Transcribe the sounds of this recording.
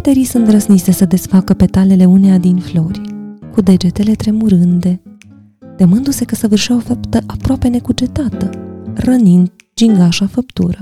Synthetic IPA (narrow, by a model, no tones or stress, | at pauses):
bat̪e̞ɾijsunt̪ɾəsmise̞səd̪e̞sfakəpe̞t̪ale̞le̞unead̪inflo̞rʲkud̪e̞d͡ʒe̞t̪e̞le̞t̪ɾe̞muɾɨnd̪e̞ | t̪əmɨnd̪use̞kəsəvɨrʃiaofapt̪əʔapɾoape̞ne̞kud͡ʒe̞t̪at̪ərənind̪ | d͡ʒiŋɡaʃafəpt̪ṵɾə